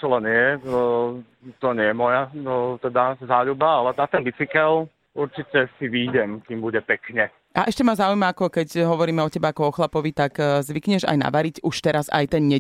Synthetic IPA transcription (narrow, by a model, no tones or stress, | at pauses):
t͡ʃɔlɛnɛɛ | t̪ɔɲɛjɛmɔjat̪ɛd̪azaːʎubaalɛnat̪ɛnbit͡sikɛl | uɾt͡ʃicɛsiʋiːɟɛmkiːmbuɟɛpɛkɲɛ | ʔaʔɛʃcɛmazaːujmaakɔkɛcɦɔʋɔɾiːmɛɔcɛbaakɔɔxlapɔʋit̪aɡzʋikɲɛʒa̰jna̰ʋaɾicuʃt̪ɛɾaza̰jt̪ɛnɲɛ